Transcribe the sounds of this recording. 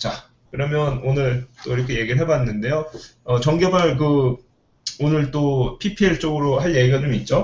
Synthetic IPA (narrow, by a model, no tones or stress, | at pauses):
t͡ɕa | kɯɾʌmjʌnonɯɭt͈oiɾʌkʰe̞je̞ɡiɯɭɦe̞bwanːɯnde̞joʌt͡ɕʌŋɡjʌbaɭk̬ɯ | onɯɭt͈opʰipʰieɭt͡ɕ͈oɡɯɾoɦaɭje̞ɡiɡad͡ʑomit̚t͡ɕ͈o